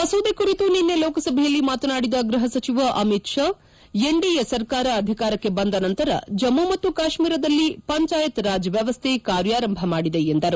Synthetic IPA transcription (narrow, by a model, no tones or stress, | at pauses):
ʋɐsoːd̪ekuɾit̪uninːe̞lɔːkɐsɐbʱɛjɐlːimaːt̪ɐnaːɽid̪ɐɡɾɐɦɐsɐt͡ʃiʋɐʔɐmit̪ʂa | jeɳɖijesɐɾkaːɾɐːd̪ʱikaːɾɐkːe̞bɐnd̪ɐnɐnt̪ɐɾɐ̰d͡ʒɐmːumɐt̪ːukaːʃmiːɾɐd̪ɐlːipɐɲt͡ʃaːjɐt̪ɾaːd͡ʒɐʋjɐʋɐst̪ʰekaːɾjaːɾɐmbʱɐmaːɽid̪e̞end̪ɐɾu